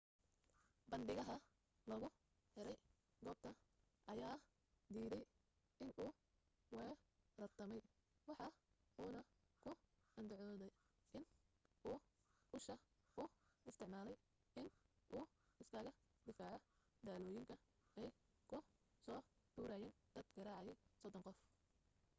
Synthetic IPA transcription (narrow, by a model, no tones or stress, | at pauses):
bɐnɖɪɣɐɦɐ | lɐɣʊ | ħɛɾɛj | ɡɔːb̚t̪ʰɐ | ʔɐjaː | d̪iːðɛj | ʔɪnuː | wɛrɐrt̪ʰɐmɛj | wɑħɑ | uːnɐ | kʰʊ | ɐnd̪ʊʕɔːðɛj | ʔɪnʔuː | ʊʃɐʔʊɪst̪ʰɪʕmaːlɛj | ɪnʔuː | ɪskʰaːɣɐd̪ɪfaːʕɔ | d̪aːlɔːjɪŋkʰɐɛːj | kʰʊsɔːd̪̥uːɾɐjɛːn | d̪̥ɐd̪ɡɐɾaːʕɑjɛjsɔd̪ɔŋqɔf